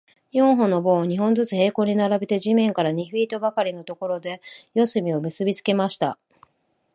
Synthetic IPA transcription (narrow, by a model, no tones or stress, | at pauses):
jõ̞ɰ̃ɦõ̞no̞bõ̞ːɲ̟iɦõ̞nd͡zɨt͡sɨhe̞ːko̞ːɲ̟inaɾabe̞t̪e̞ʑimẽ̞ŋkaɾaɲ̟iɸiːt̪o̞bakaɾʲino̞t̪o̞ko̞ɾo̞d̪e̞jo̞sɨmʲio̞mɯ̟sɨbʲit͡sɨ̥ke̞maɕi̥t̪a̰